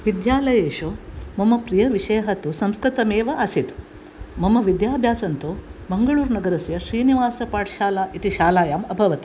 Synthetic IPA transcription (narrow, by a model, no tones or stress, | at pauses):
ʋid̪jaːlɐjeːʂoːmɐmɐpɾijɐʋiʂɐjɐɦɐt̪usɐmskɾit̪ɐmeːʋɐɐsit̪ | mɐmɐʋid̪jaːbʱjaːsɐnt̪omɐŋɡɐɭuːɾnɐɡɐɾɐsjɐʃɾiːniʋaːsɐpaːʈʃaːlaːʔit̪iʃaːlaːjaːmɐbʱɐʋɐt̪ɐ